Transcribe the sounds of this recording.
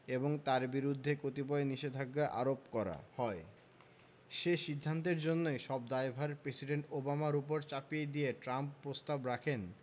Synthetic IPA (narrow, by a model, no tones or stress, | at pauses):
eboŋt̪aɾbiɾud̪ʱːekot̪ibɔeniʃed̪ʱaɡːaʔa̰ɾopkɔɾa̰hɔe | ʃeʃid̪ʱːant̪̬eɾd͡ʑonːojʃɔb̚d̪aebʱaɾpɾesiɖeɳʈobamaɾupoɾt͡ɕapied̪ijeʈɾamppːɾost̪abɾakʰen